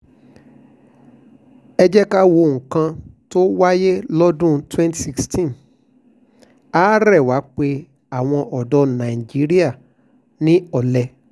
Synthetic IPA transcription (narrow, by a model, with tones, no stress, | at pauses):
ɛ˧d͡ʒɛ˦ka˦wo˧˨ŋ̩̃˨kã˧to˦wa˦je˦lɔ˦dũ˦˨twɛ̃˦nti˨si˧kstĩ˦˨n | a˦ɾɛ˦˨wa˨˦k͡pe˧ | a˨w̃ɔ̃˧ʔɔ˨dɔ˧nã˨i˨d͡ʒi˨˦ɾi˦a˦˨ | nĩ˦ɔ˨lɛ˨˧